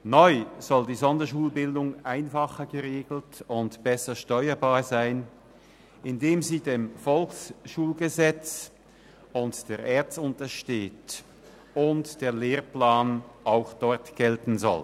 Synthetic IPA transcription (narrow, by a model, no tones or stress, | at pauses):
nɔʏz̥ɔldiːzɔndɐʃuːlbɪldʊŋʔaɪnfaχəɡəʁeːɡl̩tʊntb̥ɛsɐʃtɔʏɐbaːɐzaɪn | ʔɪndeːmziːdeːmfɔlksʃuːlɡəzɛt͡s | ʊntd̥eːɐʔeːɐt͡sʊntɐʃteːt | ʊntd̥eːɐleːʁplaːnʔaʊxd̥ɔɐtɡ̥ɛltn̩zɔ̰l